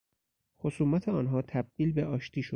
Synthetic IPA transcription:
xosuːmæt̪ʰeɒːnɦɒːt̪ʰæb̥̚d̪̥iːlbe̞ʔɒːʃt̪iːʃo̥

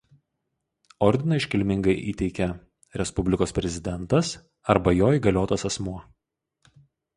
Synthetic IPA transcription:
ɔɾʲd̪ʲɪnɐɪʃʲkʲɪlʲmʲɪŋɡɐɪʔiːt̪ʲɛɪkʲɛ | ɾʲɛspʊbʲlʲɪkoːspʲɾʲɛzʲɪd̪ʲɛnt̪ɐs | ɐɾbɐjoːiɡɐlʲoːt̪ɐsɐsmuɔ

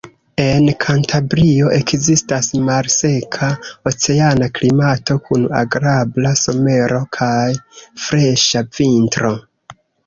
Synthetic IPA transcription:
e̞nkʰantʰabɾio̞ʔe̞kzistasmalse̞kʰao̞t͡se̞anaklimato̞kʰuna̰ɡɾablaso̞me̞ɾo̞kʰajfɾeʃavintɾo̞

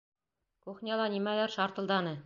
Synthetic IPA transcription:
kuχnʲɑlˠɑnimælæɾʃɑɾt̪ɤ̆lˠd̪ɑnɤ

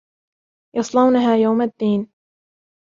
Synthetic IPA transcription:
jɑsˤlɑwnaɦaːjawmad̪ːiːn

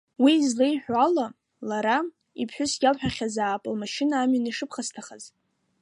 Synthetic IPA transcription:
wiːzlejħʷᶣala | laɾa | ipʰħʷᶣʊsɡʲalħᶣaχʲazaːpʼɨlmaʃɪnaːmɥaniʂɨpʰχastʰaχaz

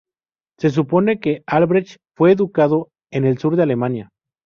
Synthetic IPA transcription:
se̞s̬uponekealβɾet͡ʃfweːðukaðo | ene̞lsuɾd̪ealemanja

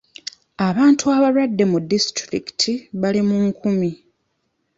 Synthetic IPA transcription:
aβaːntuaβaɾwadːe̞mudːistɾḭki̥tʰiβalimuŋkʰumi

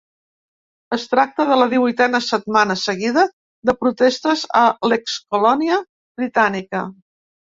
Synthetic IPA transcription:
əst̪ɾak̚t̪əðələðiβuit̪ɛnəsət̪̚manəsəɣiðə | ðəpɾut̪est̪əzəlekskulɔniə | bɾit̪anikə

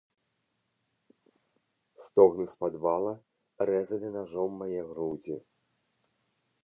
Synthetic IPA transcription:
st̪ɔɣnɨspad̪valˠɐ | rɛzɐnʲɨnaʐɔmːajɛɣɾud͡zʲḭ

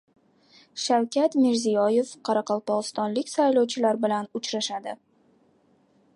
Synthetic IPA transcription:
ʃawkʲat̪mɪɾzijɒje̞fqʰɑɾɑqɒlˠpɒʁɨst̪ɒnlɪkʲsajlɒwt͡ʃʰɪlaɾbɪlanʊt͡ʃɾaʃad̪ɪ

